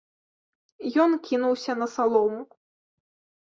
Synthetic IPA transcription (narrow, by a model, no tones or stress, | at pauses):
jɔnkʲinuwsʲɐnɐsalˠɔwmu